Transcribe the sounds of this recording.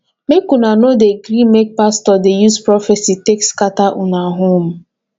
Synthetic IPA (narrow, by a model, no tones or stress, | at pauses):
mekunanodeɡɾimek̚pastɔdejuspɾɔfɛsitekskataʔunaɦom̩